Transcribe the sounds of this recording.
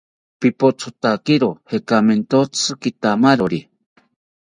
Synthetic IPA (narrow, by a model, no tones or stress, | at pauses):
pipot͡sʰot̪akiɾohekament̪ot͡sʰɨkit̪amaɾoɾi